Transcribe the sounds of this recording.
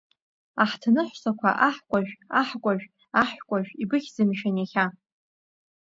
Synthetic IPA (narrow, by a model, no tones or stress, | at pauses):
aħtʰanɨħʷsakʷʰa̰ʔaħkʷʼaʒᶣaħkʷʼaʒᶣ | aħʷᶣkʷʼaʒᶣibɨχʲzɨmʃᶣanaχʲa